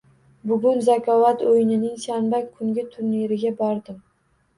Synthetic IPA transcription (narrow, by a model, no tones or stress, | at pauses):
bʊɡʊnzakʲʰɒvat̪ojɪnɪnɪŋsanbakʲʰːʊŋɡʲɪt̪ʰʊɾneɾɪɡʲabɒɾd̪ɪm